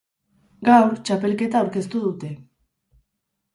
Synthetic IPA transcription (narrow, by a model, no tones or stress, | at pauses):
ɡawɾt͡ʃape̞lke̞t̪aːwɾke̞st̪uðut̪e̞